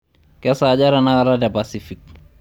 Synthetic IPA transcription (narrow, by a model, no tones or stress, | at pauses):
kɛsad͡ʒaɾanaaɾadɛbasifik̚